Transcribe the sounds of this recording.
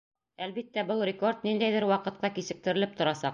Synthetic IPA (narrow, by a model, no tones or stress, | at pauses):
ælbit̪ːæbɤlˠrʲɪko̞rt̪̚nind̪æjðɘɾwɑqɤ̆t̪̚qɑkisɘ̆k̚t̪ɘ̆ɾɘ̆lɘp̚t̪ŏɾɑsɑq